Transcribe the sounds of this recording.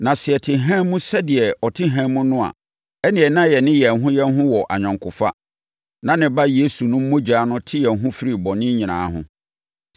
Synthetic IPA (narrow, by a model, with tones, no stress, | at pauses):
nã˨sɪ˨ɛ˨tʰɪ˨ɦɛ̃˦mũ˦sɛ˦dɪ˨ɛ˨ʔɔ˨tʰɪ˦ɦɛ̃˦mũ˦nʊ̃˦a̰˨ | ɛ˦nɪ̃˨ɛ˨nã˦˨jɛ˨nɪ̃˦jɛ˨ɦʊ̃˦jɛ˦nɦʊ̃˦wɔ˨ʔa˨ɲᶣã˨ŋkʰʊ˨fa˦ | nã˨nɪ̃˨ba˦je˦su˨nʊ̃˦m̩ː˦õ˦d͡ʑaː˨˦nʊ̃˦tʰɪ˦jɛ˨n˨ɦʊ̃˦fi˦ɾi˦bɔ̃˨nɪ̃˦ɲĩ˨nã̰ː˨˦hʊ̰̃˦